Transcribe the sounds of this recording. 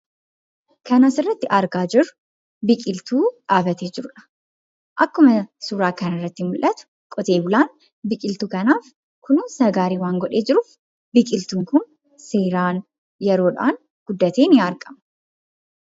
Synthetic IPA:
kɐnasɪrːɐt̪ːɪʔɐɾɡaːd͡ʒɪɾʊ̥ | bɪkʼɪlt̪uːᶑaːbɐt̪e̞ːd͡ʒɪɾʊᶑɐ̥ | ʔɐkːʊmɐsuːɾaːkɐnɐrːɐt̪ːɪmʊlʔɐt̪ʊ̥ | kʼɔt̪e̞ːbʊlaːn | bɪkʼɪlt̪ukɐnaːf | kʊnuːnsɐɡaːɾiːwaːŋɡɔᶑe̞ːd͡ʒɪɾʊf | bɪkʼɪlt̪uːŋkʊn | seːɾaːn | jɛɾo̞ːᶑa̰ːn | ɡ̥ʊd̪ːɐt̪eːnɪɐɾkʼɐmɐ̥

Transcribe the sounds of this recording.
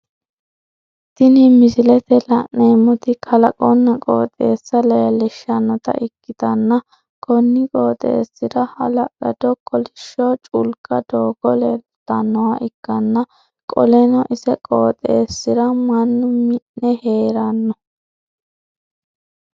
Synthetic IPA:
t̪ɪnɪmɪsɪlɛt̪ɛlɐʔneːmʊt̪ɪkʰɐlɐkʼɔnːɐkʼo̰ːt̪ʼe̞ːsːɐlɐjɐlɛʃːɐnːɔt̪ɐ̰ʔɪkːɪt̪ɐnːɐ | kʰɔnːɪkʼoːt̪ʼḛːsːɪɾɐhɐ̰lɐʔɐ̰d̪ɔkʰʼːɔlɪʃːot͡ʃʼʊlkʼɐd̪oːɡɔlɛl | t̪ːɐnːɔwaʔɪkːɐnːɐ | kʼɔlɛnɔʔɪsɛkʼoːt̪ʼeːsːɪɾɐmɐnːʊmɪʔnɛheːɾɐnːɔ

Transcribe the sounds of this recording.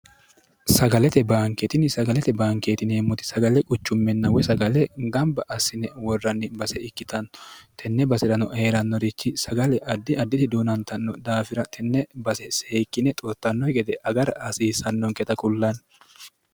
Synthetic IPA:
sɐɡɐlɛt̪ɛbaːŋkɛt̪ɪnɪsɐɡɐlɛt̪ɛbaːŋkeːt̪ɪneːmːʊt̪ɪ̥sɐɡɐlɛkʼʊt͡ʃːʊmːɛnːɐwɛsɐɡɐlɛɡɐmbɐʔɐsːɪnɛwɔrːɐnːɪbɐsɛɪkːɪt̪ɐnt̪ʰɛnːɛbɐsɪɾɐnɔe̞ːɾɐnːɔɾɪt͡ʃːɪsɐɡɐlɛʔɐd̪ːɪɐd̪ːɪt̪ɪd̪uːnɐnt̪ɐnːɔd̪aːfɪɾɐt̪ʰɛnːɛbɐsɛseːkːɪnɛt̪ʼɔt̪ːɐnːɔjɡɛd̪ɛʔɐɡɐɾɐɐsiːsɐnːɔŋkɛt̪ɐkʊlːɐn

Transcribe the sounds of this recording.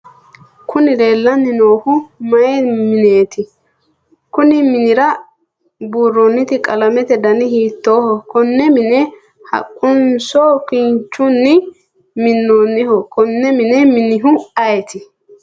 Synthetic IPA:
kʰʊnɪd̪e̞ːlːɐnːɪnoːhʊmɐɛmɪneːt̪ɪ | kʊnɪmɪnɪɾɐ | buːrːonːɪt̪ɪkʼɐlɐmɛt̪ɛd̪ɐnɪhiːt̪ːoːhɔkɔnːɛmɪnɛ | hɐ̰kʼːʊnsoːkɪnt͡ʃːʊnːɪ | mɪnːoːnːɪhɔkɔnːɛmɪnɛmɪnɪɦʊɐjɛt̪ɪ

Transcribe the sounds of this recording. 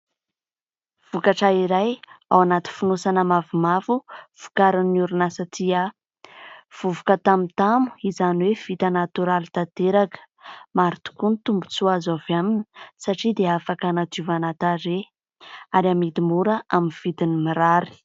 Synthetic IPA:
v̥ukaʈ͡ʂaiɾaja̰wanat̪i̥funosanəmavumavuv̥u̥kaɾinːuɾunasat̪ia | v̥uvukət̪amit̪amu̥izaniwev̥it̪ənat̪uɾalit̪at̪eɾakə̥ | maɾit̪u̥kunit̪umbut͡suazovjaminə̥saʈ͡ʂid̪eafakanat̪uvanat̪aɾe | aɾamid̪imuɾəʔaminv̥it̪inimiɾaɾi̥

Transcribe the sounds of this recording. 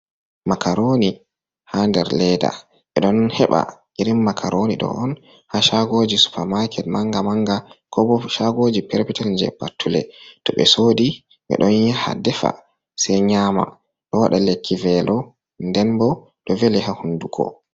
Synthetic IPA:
makʰaɾoni | handɛɾlɛda̰ | ɓɛɗɔnhɛɓa̰ʔiɾimːakʰaɾoniɗɔ̰ʔɔn | haʃaɡod͡ʒisu̥pʰɛɾmaɾkʰɛt̚maŋɡamaŋɡakʰɔbɔʃaɡod͡ʒipɛɾpitald͡ʒɛ̰patʰːulɛ̰tɔɓɛsodi | ɓɛ̰ɗɔnjaha̰dɛfa̰ | sɛjɲaːma̰ | ɗɔwaɗalekʰːivɛlɔ | ndɛnbɔ | ɗɔvɛlɛhahunduɡɔ̰

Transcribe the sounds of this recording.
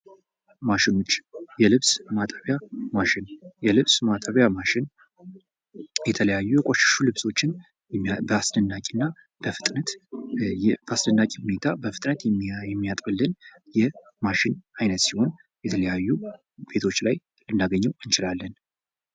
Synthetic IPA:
maʃɪno̞t͡ʃːjɛlɨβsmat̪ʼəβjamaʃɪnjɛlɨβsmat̪ʼəβjamaʃɪn | jɛt̪ʰələjajːujɛkʼoʃɪ̥ʃulɨβso̞t͡ʃːɪn | bəasnɨnːakʼinːa | b̥əfɨt̪ʼnət̪ | b̥əasnɨnːakʼihune̞t̪ʰabəfɨt̪ʼnət̪jɛmːijat̪ʼbɨlːɨnjɛ | maʃɪnajnət̪siho̞n | jɛt̪ʰələjajːu | b̥e̞t̪ʰo̞t͡ʃːlaj | lɨnːaɡəɲːɛwɨnt͡ʃɪlalːən

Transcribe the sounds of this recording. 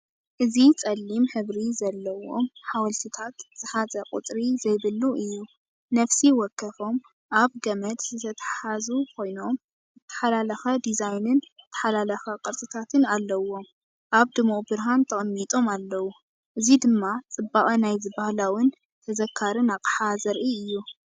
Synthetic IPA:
ʔɨzit͡sʼɐlːimħɨβɾizɐlːɐwo̞̰mħawɐlt̪ʰit̪ʰat̪z̥ɨħazʼɐkʼṵt̪ʼɾizɐjβɨlːuʔɨjːu | nɐfsiwɔkʰːɐfo̞m | ʔaβɡɐmɐt̪zɨt̪ʰɐt̪ʰɐ̥ħazukʰo̞jno̞m | zɨt̪ʰːɐ̥ħalalɐxɐd̪izajnɨnɨt̪ʰːɐ̥ħalalɐxɐqʼɨɾt̪ʼɨt̪ʰat̪ʰɨnalːɐwo̞m | ʔaβd̪ɨmubɨɾɦant̪ʰɐχʼɐmːit̪ʼo̞malːɐwu | ʔɨzid̪ɨmːat͡sʼɨbːaχʼɐnajzɨbahlawɨn | t̪ʰɐzɐkʰːaɾɨnaqʼħazɐɾʔiɨjːu

